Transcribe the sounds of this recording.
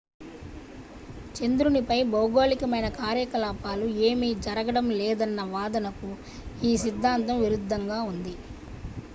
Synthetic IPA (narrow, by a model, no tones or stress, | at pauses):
t͡ʃend̪ɾunipɐjbɐwɡoːlikɐmɐjnɐkaːɾjɐkɐlaːpaːlueːmiːd͡ʒɐɾɐɡɐɽɐmlɛːd̪ɐnːɐʋaːd̪ɐnɐku | iːsid̪ʱːaːnt̪ɐmʋiɾud̪ʱːɐŋɡaːund̪i